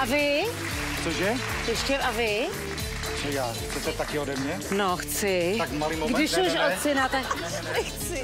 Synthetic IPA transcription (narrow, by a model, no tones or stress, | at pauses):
ʔavɪ | t͡soʒɛ | jɛʃcɛʔavɪ | t͡ʃɛjaː | sɛt̪ɛt̪akɪodɛmɲɛnoxt͡sɪakmalimoɡdɪʃuʃot͡sɛnat̪ak | nɛxt͡sɪ